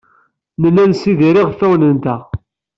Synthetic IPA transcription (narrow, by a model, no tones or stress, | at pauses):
nəlænsiðiɾiʁθæwnənt̪æ